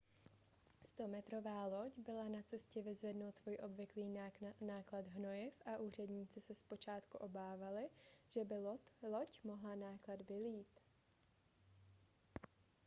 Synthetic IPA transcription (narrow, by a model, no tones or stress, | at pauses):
st̪o̞mɛt̪ɾo̞vaːlo̞cbɪlanat͡sɛscɛvɪzvɛdno̞wt̪svojʔo̞bvɪkliːnaːklad̪ɦno̞jɪfʔaʔuːr̝ɛdɲiːt͡sɪsɛspo̞t͡ʃaːt̪kuʔo̞baːvalɪʒ̥ɛbɪlo̞cmo̞ɦlanaːkladbɪliːt̪